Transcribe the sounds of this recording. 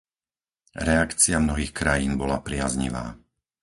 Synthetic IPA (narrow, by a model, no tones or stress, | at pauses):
ɾɛakt͡siɪamnɔɦiːxkɾajiːnbɔlapɾɪazɲḭʋa̰ː